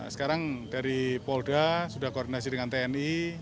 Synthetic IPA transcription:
sə̥kaɾaŋdaɾipɔldasudahkoːrdinas̬idəŋant̪eɛni

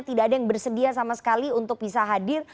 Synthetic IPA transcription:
t̪idaːdajaŋbərsədiasamasə̥kaliunt̪ʊk̚bisaɦadɪr

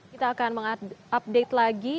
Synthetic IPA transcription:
kit̪aːkanməŋaʔap̚det̪laɡi

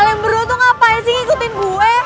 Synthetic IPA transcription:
lɛmbəɾɔt̪ɔŋapajasiŋikut̪ɪnbuɛ

